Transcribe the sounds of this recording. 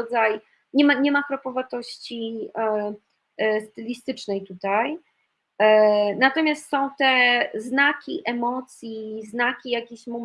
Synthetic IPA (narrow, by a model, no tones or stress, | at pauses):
d̪zaj | ɲɛmaɲɛmakɾɔpɔvat̪ɔɕt͡ɕi | st̪ɘlʲist̪ɘt͡ʂnɛjt̪ut̪aj | nat̪ɔmʲjast̪sɔ̃w̃t̪ɛznakʲḭʔɛmɔt̪sʲjiznakʲijakʲiɕmɔm